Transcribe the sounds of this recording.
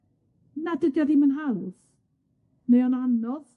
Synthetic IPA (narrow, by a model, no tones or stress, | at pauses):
nadədjaðimənɦalˠð | nejɔnanɔð